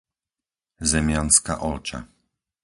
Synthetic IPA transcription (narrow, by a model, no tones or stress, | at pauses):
zɛmʲjanska̰ʔɔlt͡ʂa̰